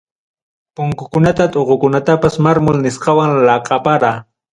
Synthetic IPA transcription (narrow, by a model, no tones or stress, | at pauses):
pʊŋkʊkʊnat̪at̪ʼoɢʊkʊnat̪apasmaɾmʊlnɪsqɑwaŋlɑqʼɑpaɾaː